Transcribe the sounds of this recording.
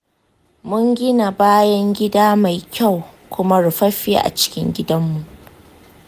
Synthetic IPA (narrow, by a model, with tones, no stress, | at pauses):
mʊ˦ŋɡʲɪ˦na˨baː˦jɐ˦ŋɡʲɪ˦daː˦ma˨jkʲʰa˦˨wkʷʊ˦ma˦ɽʊ˨ɸɐ˦ɸi˦ʔa̰˨t͡ʃɪ̥˦kʲɪ˦ŋɡʲɪ˦dɐ˦mːu˨ʔ